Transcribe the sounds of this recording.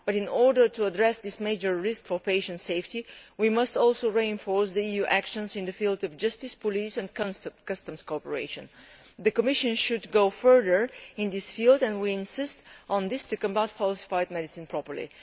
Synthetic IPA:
b̥ʌɾɪ̃nɔɹdə˞tuədɹɛsðɪsmeɪd͡ʒə˞ɹɪskfə˞peɪʃə̃ntseɪftiwimʌstɔlˠsoʊɹiɨ̃nfɔɹsðiijuʔækʃə̃nzɪ̃nðəfilˠdɔvd͡ʒʌstɪspɔlisɛ̃nkkʌstə̃mskɔpəɹḛɪʃə̃n | ðɨkəmɪʃɨ̃nʃudɡoʊfɜ˞ðə˞ɪ̃nðɪsfilˠdɛ̃nwiɪ̃nsɪstʔn̩ðɪstɨkə̃baʊtfɔlsɪ̥faɪd̚mɛdɪsɪ̃npʰɹɔpə˞lḭ

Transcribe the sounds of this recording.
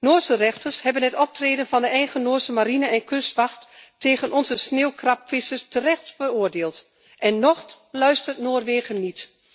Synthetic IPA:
noːɹsərɛxtʰəɹshɛbənɦɛtɔp̚treːdənvɑndəɛjɣənoːɹsəmaɾinəɛnkʰʏstʋɑxtːeːɣənʔɔnzəsneːwkrɑpfɪsəɹstərɛxtfəroːɹdeːlˠt | ʔɛnːɔχt | lœɥstərtnoːrʋeːɣənːit

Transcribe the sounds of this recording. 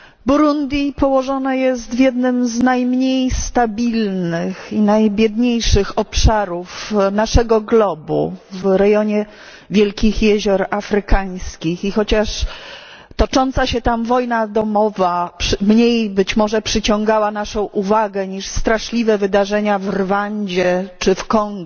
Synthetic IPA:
buɾund̪ʲjipɔwɔʐɔnajɛst̪vʲjɛd̪nɘmznajmɲejst̪abʲilnɘxinajbʲjɛd̪ɲejʂɘxɔpʂaɾufnaʂɛɡɔɡlɔbṵvɾɛjɔɲɛ | vʲjɛlkʲixjɛʑɔɾafɾɘkaj̃skʲixixɔt͡ɕaʂ | t̪ɔt͡ʂɔnt̪saɕɛt̪amvɔjnad̪ɔmɔvapʂmɲejbɘt͡ɕmɔʐɛpʂɘt͡ɕɔ̃ŋɡawanaʂɔ̃w̃ʔuvaɡɛɲiʂst̪ɾaʂlʲivɛvɘd̪aʐɛɲavɾvaɲd͡ʑɛt͡ʂɘfkɔŋɡ

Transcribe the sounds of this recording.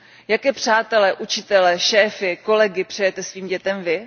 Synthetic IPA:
jakɛːpr̝̥aːt̪ɛlɛʔut͡ʃɪt̪ɛlɛʃɛːfɪko̞lɛɡɪpr̝̥ɛjɛt̪ɛsviːmɟɛt̪ɛmvɪ

